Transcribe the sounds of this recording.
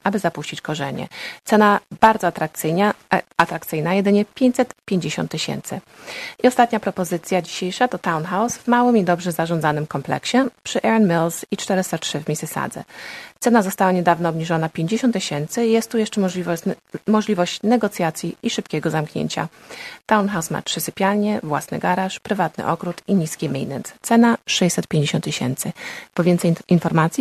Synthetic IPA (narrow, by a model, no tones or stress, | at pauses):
ʔabɘzapuɕt͡ɕit͡ɕkɔʐɛ̰ɲɛ̰t̪sɛnabaɾd̪zɔt̪ɾa | at̪ɾak̚t̪sɘjnajɛd̪ɘɲɛpʲjeɲt͡ɕt̪ʲsɛt̪pʲjeɲd͡ʑeɕɔ̰nt̪ːɘɕɛ̰nt̪sɘ | iɔst̪at̪ɲapɾɔpɔzɘt̪sʲjad͡ʑiɕejʂat̪ɔt̪awnxawsvmawɘmid̪ɔbʐɛzaʐɔnd̪zanɘmkɔmplɛ̰kɕɛpʂɘʔɛɾanmilsit͡ʂt̪ɛɾɛst̪atʂɘvʲmʲisɘsa̰d̪zɛ̰t̪sɛnazɔst̪awaɲɛd̪avnɔːbɲiʐɔnapʲjeɲd͡ʑeɕɔnt̪ːeɕɛnt̪sɘjɛst̪ːujɛʂt͡ʂɛivmɔʐlʲivɔɕt͡ɕnɛɡɔt̪sʲjat̪sʲjiiʂɘpkʲɛɡɔzamkɲḛɲt͡ɕa̰t̪awnxawsma̰pʂɘsɘpʲjalɲɛvwa̰snɘ̰ɡaɾaʂpɾɘvat̪nɘ̰ʔɔkɾut̪iɲiskʲɛmʲḭjnɛ̰nst̪sɛnaʂɛjsɛt̪̚pʲjeɲd͡ʑeɕɔnt̪ːiɕɛ̰nt̪sɘpɔvʲjɛnt̪sɛjinfɔɾmat̪sʲi